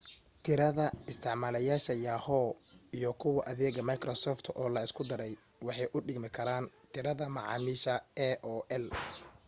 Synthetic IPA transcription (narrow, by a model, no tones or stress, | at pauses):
t̪ʰɪɾɐðɐɪst̪ʰɪʕmaːlɐjaːʃɐjaːhɔːijɞkʰʊwɐʔɐðɛːɣɐmɐjkɾɔsɔːft̪ʰɔːlɐɪskʰʊd̪ɐɾɛj | wɑħɑjʔʊɖɪɡmɪkʰɐɾaːnt̪ʰɪɾɐðɐmɑʕɑ̰ːmiːʃɐɛʔɔːʔɛl